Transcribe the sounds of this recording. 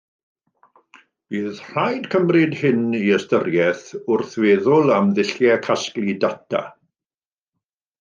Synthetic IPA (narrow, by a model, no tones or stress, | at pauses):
b̥iːðr̥ajdkʰəmrɪdhɪniəstəɾjɛθʊrθveːðʊlˠamðɪɬjɛkʰasklˠidatʰa̰